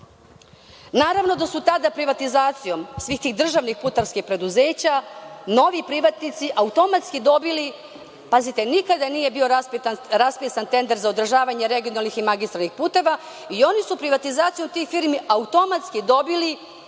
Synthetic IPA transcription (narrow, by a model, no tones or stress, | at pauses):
naːɾaʋno̞d̪asut̪ad̪apɾiʋat̪izaːt̪sijo̞msʋiːxt̪iːɣd̪r̩ʒaʋnixput̪aɾskixpɾe̞d̪uze̞ːt͡ɕano̞ʋipɾiʋat̪nit̪siʔaut̪o̞mat̪skid̪o̞bili | pazit̪e̞nikad̪aniːje̞bio̞ɾaspisant̪e̞nd̪eɾzaod̪r̩ʒaːʋaɲeɾe̞ɡio̞nalniximaɡist̪ɾalnixpuːt̪e̞ʋa | io̞nisupɾiʋat̪izaːt̪sijo̞mt̪ixfiːɾmiʔaut̪o̞mat̪skid̪o̞bili